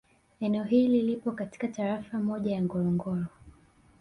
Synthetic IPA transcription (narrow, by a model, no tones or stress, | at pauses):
ɛnɛɔɦililipɔkati̥kataɾafamɔʄajaŋɡɔɾɔŋɡɔɾɔ